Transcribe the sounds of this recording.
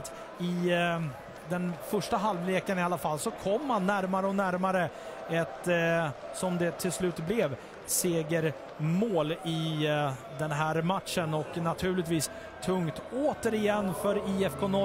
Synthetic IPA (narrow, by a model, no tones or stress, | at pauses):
t̪ | ɪ | d̪ɛnfœʂʈaɦalvleːkənɪalːafalːsɔkʰɔmːanːæɾmaɾəɔnæɾmaɾə | ɛt̪ | sɔmd̪ɛt̪ʰɪlslʉ̟ːt̪blɛv | seːɡəɾ | moːlɪ | d̪ɛnɦæːɾmat̪ʂənɔknat̪ʰʉ̟ːɭɪt̪viːs | t̪ʰɵŋt̪oːt̪əɾɪjɛnːfœɾiɛfkʰoːnɔ